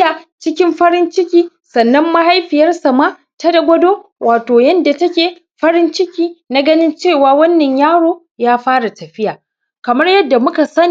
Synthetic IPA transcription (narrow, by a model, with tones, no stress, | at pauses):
a˨t͡ʃɪ˦kʲɪ˦mɸɐ˦ɾɪ˦nt͡ʃɪ˦kʲiː˦ | sɐ˨nːɐ˦mːɐ˦ha˦jɸɪ˨jɐ˦rsa˨maː˦ | tɐ˦dɐ˦ɡʷɐ˦doː˦wʔaː˨toː˨jɐ˦nda˨tɐ˦kʲeː˨ | ɸɐ˦ɾɪ˦nt͡ʃɪ˦kʲiː˦na˦ɡɐ˦nɪ˦nt͡ʃeː˦˨waː˨wɐ˦nːɐ˨ɲjaː˦ɽoː˨ | jaː˦ɸaː˦ɽa˨tɐ˨ɸɪ˦jaː˨ | kɐ˨mɐ˦rjɐ˦dːa˨mʊ˦ka˨sɐ˦ni˨